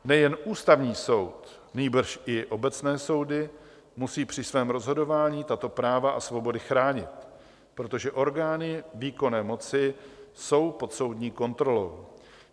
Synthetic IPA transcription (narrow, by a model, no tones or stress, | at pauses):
nɛjɛnʔuːst̪avɲiːso̞wt̪ | niːbr̩ʃʔɪʔo̞bɛt͡snɛːso̞wdɪ | musiːpr̥ɪsvɛːmɾo̞zɦo̞do̞vaːɲiːt̪at̪o̞pɾaːvaʔasvo̞bo̞dɪxɾaːɲɪt̪ | pɾo̞t̪o̞ʒɛʔo̞ɾɡaːnɪviːko̞nɛːmo̞t͡sɪso̞wpo̞t̪so̞wdɲiːko̞nt̪ɾo̞lo̞̰w